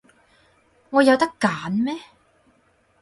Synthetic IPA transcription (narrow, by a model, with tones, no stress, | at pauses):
ŋɔː˨˧jɐ˨˧wt̪ɐ˥kːaː˨˥nmɛː˥